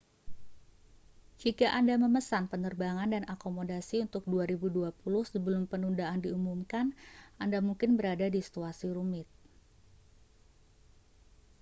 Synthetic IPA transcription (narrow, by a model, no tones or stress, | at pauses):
d͡ʒikaʔandaməməsanpənərbaŋandanakomodasiunt̪ʊk̚duaɾibuduapulʊhsəbəlʊmpənundaːndiumumkanʔandamuŋkɪnbəɾadadisi̥t̪uasiɾumɪt̪̚